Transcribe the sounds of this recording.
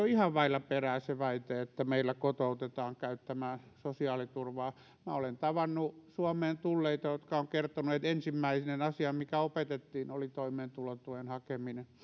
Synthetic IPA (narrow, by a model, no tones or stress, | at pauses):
oihɑʋʋɑilːˑɑperæːseʋɑit̪eet̪ːæmeilːækot̪out̪et̪ɑːŋkæyt̪ːæmæːsosiɑːlit̪urʋɑː | mæolent̪ɑʋɑnːusuomeːnt̪ulːeit̪ɑjot̪kɑoŋkert̪onuet̪ensimːæisnenɑsiɑmmikæopet̪et̪ːiːnolit̪oimeːnt̪ulot̪uʋenhɑkeminen